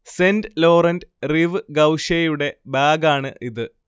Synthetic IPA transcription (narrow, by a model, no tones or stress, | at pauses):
sendlo̞ːrɐndriʋɨɡɐwʂejuɽe̞baːɡaːɳɨʔiðɨ